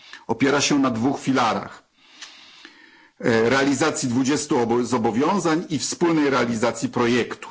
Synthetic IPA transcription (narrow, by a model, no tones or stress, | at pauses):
ɔpʲjɛɾaɕɛnad̪vuxfʲilaɾa̰x | ɾɛalʲizat̪sʲjid̪vud͡ʑɛst̪uɔzɔbɔvʲjɔ̃w̃zaɲifspulnɛjɾɛalʲizat̪sʲjipɾɔjɛkt̪u̥